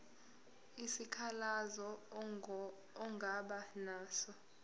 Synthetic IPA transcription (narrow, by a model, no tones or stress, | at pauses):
isikʰalazɔ | ɔŋɡʱaɓanaːsɔ